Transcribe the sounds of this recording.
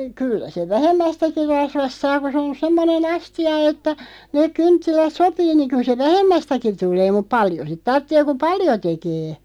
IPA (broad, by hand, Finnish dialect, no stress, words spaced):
kylːæ seʋ ʋæhemːæstæki rɑsʋɑst sɑː ku sĕ on semːonen ɑstiɑ etːæ neːk̆ kyntːilæt sopiː niŋ̆ kyl se ʋæhemːæstæki tulˑeː mup̆ pɑljo sit tɑrtːeː ku pɑljo tekeː